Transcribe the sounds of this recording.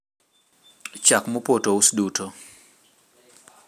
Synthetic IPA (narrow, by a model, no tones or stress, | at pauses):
t͡ʃakmopotousdutʰo